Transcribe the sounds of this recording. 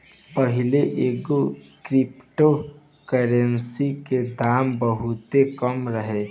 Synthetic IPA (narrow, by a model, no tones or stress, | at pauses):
pəɦɪleʔeːɡokɾɪpʈo | kəɾənsiked̪aːmbəɦʊt̪ekəmɾəɦe